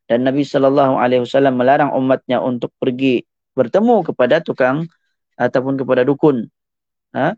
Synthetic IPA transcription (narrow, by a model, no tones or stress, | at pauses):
d̥anːabisɔlɔlːɑɦua̰lewasalamːəlaɾaŋʔṵmːat̪̚ɲaʔunt̪ʊk̚pərɡi | bərt̪əmukəpadat̪ukaŋ | ʔat̪awpʊnkəpadadukʊn | ə